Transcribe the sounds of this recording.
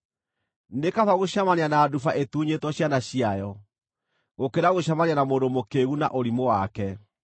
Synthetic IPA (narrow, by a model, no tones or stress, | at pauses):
nekafaɣoɕamaneanaːdufaʔetuːɲetwɔɕjanaɕiajɔ | ɣokeɾaɣoɕamananamoːndomokeɣuna̰ʔoɾimowakɛ